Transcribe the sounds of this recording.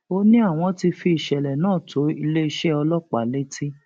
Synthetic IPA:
o˧nĩ˦a˦˨w̃ɔ̃˧ti˧fi˧i˨ʃɛ˨lɛ˨nãː˦˨tʰo˨˦i˧le˦˧ʃe˦ɔ˧lɔ˦k͡pa˨le˦ti˦

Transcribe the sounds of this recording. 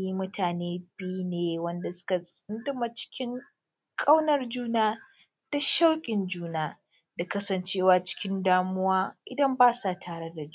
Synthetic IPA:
ji˦mʊ˦tʰaː˨neː˦bi˦jneː˨wɐ˦nda˨sʊ̥˦kɐ˨sʼɪ˦ndɪ˦ma˨t͡ʃɪ̥˦kʲɪ˦ŋ | kʼa˦wnɐ˦rd͡ʒuː˦naː˦ | ta˦ʃa˦wkʲʼɪ˨nd͡ʒuː˦naː˦ | da˨kɐ˦sɐ˨nt͡ʃeː˦waː˨t͡ʃɪ̥˦kʲɪ˦ndaː˦mʊ˦waː˦ʔɪ˨dɐ˦mbaː˦saː˦˨tʰaː˨ɽe˦da˨d͡ʒu˦

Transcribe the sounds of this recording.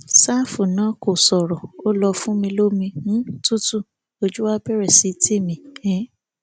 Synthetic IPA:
sa˦˨fu˨nãː˨˦ko˨sɔ˨ɾɔ˨o˦lɔ˧fũ˦mĩ˧lo˦mĩ˧ñ̩˦tu˦tu˦˨ | o˧d͡ʒu˦wa˦bɛ˦ɾɛ˦˨si˨˦tʰi˦˨mĩ˧ɛ̃˨˦

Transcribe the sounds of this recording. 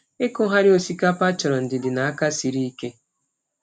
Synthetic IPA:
e˦kʊ˦ɦa˦ɾɪ˦o˨si˦ka˦pa˦t͡ʃɔ˨ɾɔ˨n̩˨dɪ˨dɪ˨na˨a˦ka˦si˨ɾi˦i˦ke˦

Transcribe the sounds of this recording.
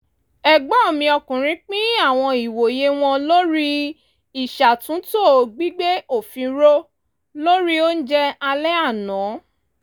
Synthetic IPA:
ɛ˨ɡ͡bɔ˨˦o˦˨mĩ˧ɔ˧kũ˨ɾ̃ĩ˨˦k͡pĩ˦a˦˨w̃ɔ̃˧i˨wo˨je˦w̃ɔ̃˧lo˦ɾi˦ | i˨ʃa˨tũ˨˦to˦˨ɡ͡bi˦ɡ͡be˦o˦˨fĩ˧˦ɾo˦ | lo˦ɾi˦o˦n̩˦d͡ʒɛ˦a˧lɛ˦a˦˨nɔ̃˨˦

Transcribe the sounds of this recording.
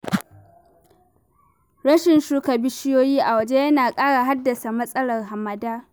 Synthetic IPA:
ɽɐ˦ʃɪ˨nʃuː˦kɐ˨bɪ˦ʃɪ˦joː˦jiː˦ʔa˨wɐ˨d͡ʒe˦jɐ˦naː˨kʼaː˦ɽaː˨ɦa˦dːɐ˨sa˨mɐ˦sʼɐ˦lɐ˨rɦa˨mɐ˨daː˦

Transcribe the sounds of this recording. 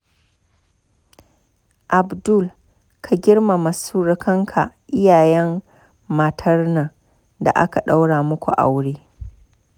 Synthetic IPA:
ʔa˨bdʊ˦˨l | kʰa˨ɡʲɪ˦rma˨ma˨suː˦ɾɪ˦kɐ˦ŋkʰa˨ʔɪ˦jaː˨jɛ˦mː | a˨tʰɐ˦rna˨ | da̰˨ʔa̰˦ka˨ɗa˦wɽaː˨mʊ˦kʷṵ˨ʔa̰˨wɽeː˦

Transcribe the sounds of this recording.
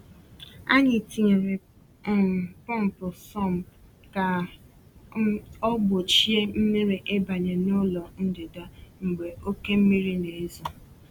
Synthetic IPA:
a̰˦ɲɪ˨ti˨ɾɪ˨ | pɔ˦m̩˨pʊ˨sɔ˦˨m̩˨ | ka˨ | ɔ˦ɡ͡bo˨t͡ʃi˦e˦m̩˦mi˦ɾi˨ʔe˦ba˨ɲe˨nʊ˦lɔ˨n̩˦dɪ˨da˦ŋ͡m̩˨ɡ͡be˨o˦ke˦m̩˦mi˦ɾi˦ne˨e˦zɔ˨

